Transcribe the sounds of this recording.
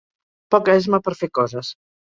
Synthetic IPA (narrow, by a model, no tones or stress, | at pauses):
pɔkɛzməpəɾfekɔzəs